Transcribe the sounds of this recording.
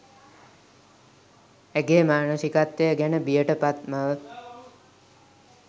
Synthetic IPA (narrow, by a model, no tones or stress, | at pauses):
æɡeːmaːnəsikat̪ːəjəɡænəbijəʈəpat̪̚maʋə